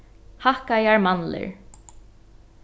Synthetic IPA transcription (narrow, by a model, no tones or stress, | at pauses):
hahkajaɹmanlɪ̰ɹ